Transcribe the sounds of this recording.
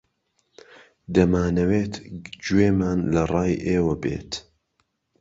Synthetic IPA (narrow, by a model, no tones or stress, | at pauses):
d̪ɐmaːnɐweːt̪d͡ʒuweːmaːnlɐrˤɑːjʔeːwɐbḛːt̪